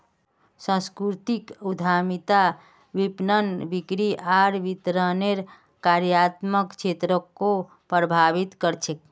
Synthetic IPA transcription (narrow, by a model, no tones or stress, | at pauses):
sə̃skɾut̪ikud̪ʱamit̪a | ʋipnənbikɾiʔaɾʋit̪ɾəneɾ | kaɾjat̪məkt͡ʃʰet̪ɾəkːo | pɾəbʱaʋit̪kəɾt͡ʃʰek̚